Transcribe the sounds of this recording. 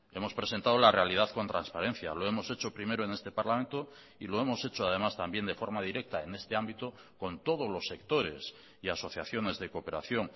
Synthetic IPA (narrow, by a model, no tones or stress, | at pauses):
e̞mo̞spɾe̞se̞nt̪aðolare̞aliðaðko̞nt̪ɾanspaɾe̞n̟θja̰lo̞e̞mo̞se̞t͡ʃo̞pɾime̞ɾoene̞st̪e̞paɾlamẽnt̪o | ilo̞e̞mo̞se̞t͡ʃoað̞e̞mast̪ambje̞nd̪e̞fo̞ɾmað̞iɾe̞k̚t̪ae̞ne̞st̪eambit̪o | ko̞nt̪o̞ð̞ozlo̞sːe̞kt̪o̞ɾe̞̰s | iaso̞θjaθjo̞ne̞zðe̞kope̞ɾa̰θjoŋ